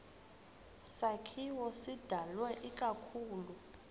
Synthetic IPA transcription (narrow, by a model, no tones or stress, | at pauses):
sakʰiwɔsid̥ʱalwɛʔik̬ʼakʰuːlu